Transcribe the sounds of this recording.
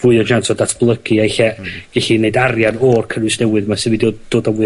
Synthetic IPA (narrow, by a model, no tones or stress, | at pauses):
vuɨɔd͡ʒantʰɔdatʰb̥lˠəɡɨajɬɛɡ̥ɛɬineɨdarjanoːrkʰənwɨsnɛwɨðmasɨvɨdod̥oːdɔvʊ